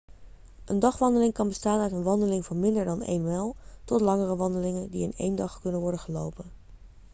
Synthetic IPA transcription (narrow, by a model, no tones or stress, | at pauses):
ʔəndɑχʋɑndəlɪŋkɑnbəstaːnœɥtənʋɑndəlɪŋvɑnmɪndəɹdɑnḛjnmɛlˠtɔtlɑŋərəʋɑndəlɪŋəndiɪnḛjndɑχkɵnənʋɔɹdəχəlowpən